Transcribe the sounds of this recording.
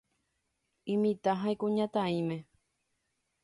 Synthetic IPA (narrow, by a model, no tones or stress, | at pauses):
ĩmĩt̪aɦãẽkũɲãt̪ãĩmẽ